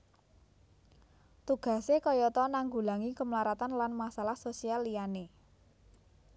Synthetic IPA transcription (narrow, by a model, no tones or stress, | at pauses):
t̪uɡ̥ä̤sekɔjɔt̪ɔnaŋɡulaŋikəmlaɾat̪anlanmasalahsosialijane